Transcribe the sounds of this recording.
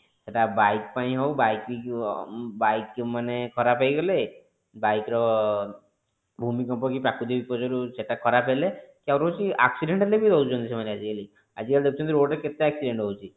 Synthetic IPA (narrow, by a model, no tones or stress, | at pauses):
seʈabajk̚paĩɦowbajki | bajkmanekʰɔɾapʰejɡɔle | bajkɾɔ | bʱumikɔmpɔkipɾakʰud̪iɔbipɔd͡ʒɔɾuseʈakʰɔɾapelekawɾowt͡ʃʰia̰ksiɖeɳʈelebid̪ʱɔwd͡ʒɔnt̪isemanead͡ʒieli | ad͡ʒikald̪ekʰut͡ʃʰɔnt̪iɾoɖeket̪eaksiɖeɳʈɦowt͡ʃʰi